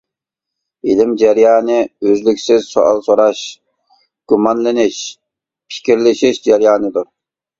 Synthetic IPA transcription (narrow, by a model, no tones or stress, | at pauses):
ilɪmd͡ʒɛɾjɑːnɨøzlykʲsɪz̥soʔɑ̰lˠsoɾɑʃ | ɡ̥umɑnlɪnɪʃ | pʰɪ̥kʲiɾlɪʃiʃd͡ʒɛɾjɑːnɨd̪uɾ